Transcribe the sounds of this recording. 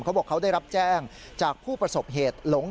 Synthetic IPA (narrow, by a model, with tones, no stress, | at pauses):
kʰa˦˥wbɔː˨˩kʰːa˦˥wdaː˥˩jɾa˦˥p̚t͡ɕɛː˥˩ŋ | t͡ɕaː˨˩k̚pʰuː˥˩pɾa˧so˨˩p̚ɦeː˨˩t̪̚lo˩˦ŋ